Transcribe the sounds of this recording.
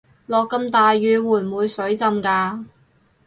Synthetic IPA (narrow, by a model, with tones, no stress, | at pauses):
lɔː˨˧kːɐ˧mt̪aː˨jːyː˨˧wuː˨˩mwuː˨˧jsɵ˨˥ɥt͡sɐ˧mkaː˧